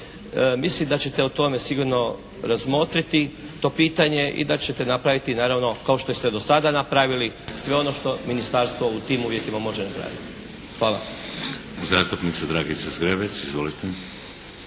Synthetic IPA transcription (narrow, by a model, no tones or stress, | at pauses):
mislimd̪at͡ɕe̞t̪e̞ut̪o̞me̞siɡuɾno̞ | ɾazmo̞t̪ɾit̪i | t̪o̞piːt̪aɲe̞ʔḭd̪at͡ɕe̞t̪e̞napɾaʋit̪inaːɾaʋno̞kao̞ʃt̪o̞esed̪o̞sad̪anapɾaːʋilisʋe̞o̞no̞ʃt̪o̞minist̪aɾst̪ʋout̪iːmuʋje̞k̪imamo̞ʒenapɾa̰ːʋḭt̪i̥ | xʋaːla̰ | zaːst̪upnit̪sad̪ɾaːɡisazɡɾebet͡ʃizʋolit̪e